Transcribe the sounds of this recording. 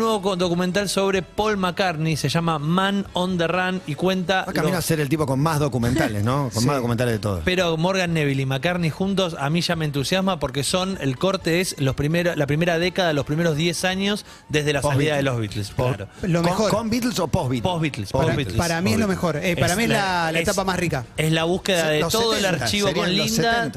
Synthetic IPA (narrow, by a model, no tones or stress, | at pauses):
nweβod̪o̞kument̪̬also̞β̞ɾepo̞lmakaɾnise̞ʒamamanond̪eranikwe̞nt̪aakamnoaseɾelt̪ipokonmazðokumẽnt̪aalesnokonmaðokumẽnt̪alezðet̪o̰ðo̰speɾomoɾɣanːeβilimakaɾnixunt̪̬o̞samiʒamẽːnt̪usjasmapo̞ɾk̬eso̞nelko̞ɾt̪eeslospɾimeɾolapɾimeɾaðekaðalo̞hpɾimeɾo̞zðjesaɲo̞s | d̪e̞ɦðelasaliðaðelozβit̪lspɾolomeoɾkombit̪lsopoβipozβit̪lsβit̪laɾamielomexoɾepaɾamiezlalaet̪apamasrikaeslaβuhkeðaðest̪oðoelaɾt͡ʃiβokonloind̪at̪